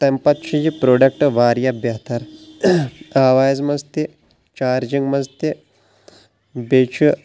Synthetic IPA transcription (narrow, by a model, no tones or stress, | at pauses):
t̪ɐmpɐt̪t͡ʃʰid͡ʒipɾoːɖɐkʈʋaːɾjɐbjɐɦt̪ɐɾ | aːʋaːjzmɐzt̪i | t͡ʃaːɾd͡ʒiŋɡmɐzt̪i | bet͡ʃʰi